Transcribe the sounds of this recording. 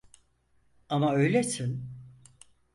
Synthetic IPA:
amaø̞jlʲesin

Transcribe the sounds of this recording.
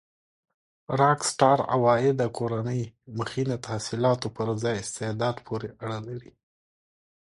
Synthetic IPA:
ɾɑksʈɑɾa̰wɑɪd̪akʰoɾanəjməxinat̪ʰahsilɑt̪opəɾzɑjɪst̪ɪhd̪ɑd̪pʰoɾeʔaɽəlaɾi

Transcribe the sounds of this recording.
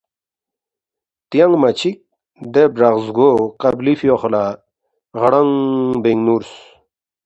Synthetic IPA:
t̪jaŋmat͡ɕʰik̚ | d̪ebɾaʁzɡoqablifjoχla | ʁɽaŋbeŋɡnuɾs

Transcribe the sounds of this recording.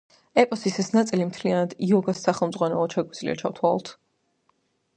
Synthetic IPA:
ɛpʼɔsisɛsnat̪sʼilimt̪ʰlianad̪iɔɡasːaχɛlˠmd̪zʼʁwanɛɔʃɛɡwid̪zlḭa̰t͡ʃʰaft̪ʰwa̰t̪ʰ

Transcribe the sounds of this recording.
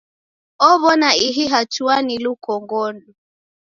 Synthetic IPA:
ɔβɔnaiɦiɦatuanilukɔŋɡɔndu

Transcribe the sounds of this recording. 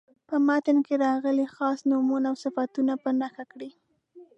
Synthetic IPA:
pəmɑt̪ɪnkeɾɑɣəlixɑsnumunaːwsɪfat̪unapənaxakɽi

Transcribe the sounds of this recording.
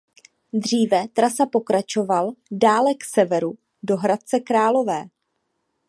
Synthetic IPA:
d̪r̝iːvɛt̪ɾasapo̞kɾat͡ʃo̞valdaːlɛksɛvɛɾu | do̞ɦɾat̪̚t͡sɛkɾaːlo̞vɛː

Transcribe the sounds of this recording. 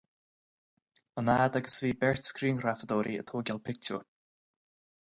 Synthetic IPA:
ənaːd̪aɡəsviːbɛɹtskɾiːnɾafəd̪ɔːɾiə̰t̪ʰoːɡɛlpʰɪk̚t͡ʃə̰

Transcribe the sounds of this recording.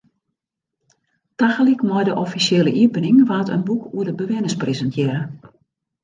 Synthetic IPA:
taxəlikmɔjdəʔɔfiseːləʔiəpənɪŋʋaːtə̰nbukuədəbəʋɪnəsprezəntʰjɪrə

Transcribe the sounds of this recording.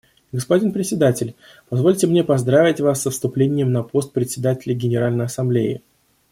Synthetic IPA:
ɡəspɐdʲinpɾʲɪtʲsʲɪd̪atʲɪlʲ | pɐzvo̞lʲtʲɪmnʲepɐzd̪ɾavʲɪtʲvasːəfst̪ʊplʲenʲɪjəmnɐpo̞st̪̚pɾʲɪt̪ʲsʲɪd̪atʲɪlʲɪɡʲɪnʲɪɾalʲnəjɐsɐmblʲeɪ̰

